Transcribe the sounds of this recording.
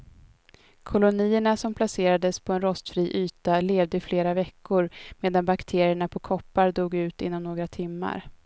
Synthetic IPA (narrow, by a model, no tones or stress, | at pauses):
kʰʊlʊniːəɳasɔmpʰlaseːɾad̪əspʰɔɛnɾɔst̪fɾiːʔyːt̪aleːvd̪əɪfleːɾavɛkːʊɾmeːd̪anbakt̪ʰeːɾɪəɳapʰɔkʰɔpːaɾd̪uːɡʉ̟ːt̪ɪ̰nːɔmnoːɡɾat̪ʰɪmːa̰ɾ